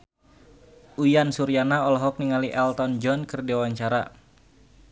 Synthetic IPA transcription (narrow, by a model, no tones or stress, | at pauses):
ujansuɾianaɔlɔɦɔk̚niŋaliʔɛlt̪ɔnd͡ʒɔnkərdewaɲt͡ʃaɾa